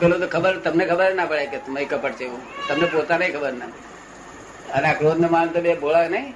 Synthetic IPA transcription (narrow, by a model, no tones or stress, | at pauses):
pelõt̪okʰəbəɾt̪əmnekʰəbəɾnapəɭeket̪məikəpəʈt͡ʃʰeeʋũt̪əmnepot̪aneĩkʰəbəɾna | ənakɾod̪nemant̪əbebʱolaknəĩ